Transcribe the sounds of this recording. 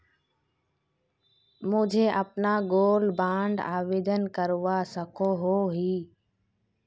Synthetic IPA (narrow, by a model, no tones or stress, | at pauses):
mʊ̃d͡ʒʱeːʔəpnaːɡoːlbãːɳɖaːʋeːd̪ənkəɾʋaːsəkʰoːɦoːɦiː